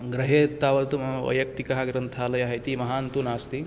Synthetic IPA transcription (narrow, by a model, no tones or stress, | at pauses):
ɡɾɐɦeːt̪aːʋɐlt̪uɐ̰jɐk̚t̪ikɐɦaɡɾɐnt̪ʰaːlɐjaːɦɐt̪imɐɦaːnt̪unaːst̪i